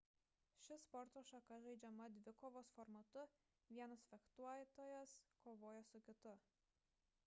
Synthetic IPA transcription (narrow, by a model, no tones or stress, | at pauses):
ʃʲɪspɔɾt̪oːʃɐkɐʒʲɛɪd͡ʒʲɛmɐd̪ʲʋʲɪkɔʋoːsfɔɾmɐt̪ʊ | ʋʲiɛnɐsfʲɛkt̪uɔjt̪oːjɛskoːʋoːjɛsʊkʲɪt̪ʊ